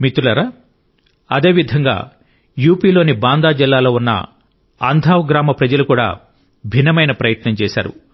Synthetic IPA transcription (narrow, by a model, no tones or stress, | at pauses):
mit̪ulɐɾɐ | ɐd̪e̞ːʋid̪ʱɐŋɡa̰ː | juːpiːlo̞ːnibaːnd̪aːd͡ʒilːaːlo̞ːunːɐ̰ | ɐ̰nd̪ʱaːʋɡɾaːmɐpɾɐd͡ʒɐlukuːɽa̰ː | bʱinːɐmɐjnɐpɾɐjɐt̪nɐmt͡ʃɛːʃa̰ːɾṵ